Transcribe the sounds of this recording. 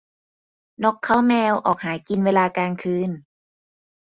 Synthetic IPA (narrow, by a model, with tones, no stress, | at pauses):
nɔ˦˥kʰːa˦˥˩wmɛː˧wʔɔː˨˩k̚haː˩˦jki˧nweː˧laː˧kaː˧nkʰɯː˧n